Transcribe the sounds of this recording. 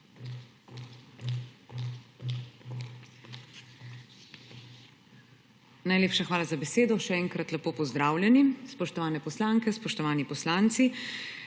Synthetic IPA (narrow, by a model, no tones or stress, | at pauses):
najleːpʃaxʋaːlazabɛseːd̪ɔʃɛɛːŋkɾat̪lɛpoːpɔzd̪ɾaːwlʲjɛnispɔʃt̪ɔʋaːnɛpɔslaːŋkɛspɔʃt̪ɔʋaːnipɔslaːnt̪si